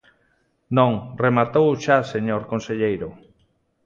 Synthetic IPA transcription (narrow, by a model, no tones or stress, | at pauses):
nõŋremat̪owʃaseɲoɾkonseʎejɾʊ